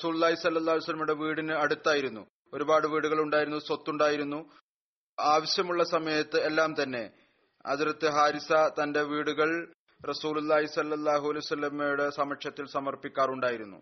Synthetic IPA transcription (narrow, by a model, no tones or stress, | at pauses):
rɐsuːlulˠːaːɦisɐlːɐlˠːaːɦuljsɐlːɐmuɽe̞ʋiːɽinɨɐɽut̪ːaːjiɾunːṵ | o̞ɾubaːɽɨʋiːɽuɣɐɭuɳɖaːjiɾunːuso̞t̪ːuɳɖaːjiɾunːu | aːʋɐɕjɐmuɭːɐsɐmɐjɐt̪ːɨelːaːmt̪ɐnːe̞ | ɐ̰ðuɾɐt̪ːɨɦaːɾisɐt̪ɐnde̞ʋiːɽuɣɐɭ | rɐsuːlulːaːɦisɐlːɐlˠːaːɦuɐlɐjʋɐsɐlːɐmejuɽɨsɐmɐkʂjɐt̪ːilsɐmɐrpikʲːaːruɳɖaːjiɾunːṵ